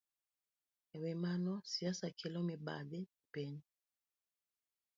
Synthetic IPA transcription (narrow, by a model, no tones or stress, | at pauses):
ɛwɛmanɔsiasakɛlɔmiba̰dɛpɛn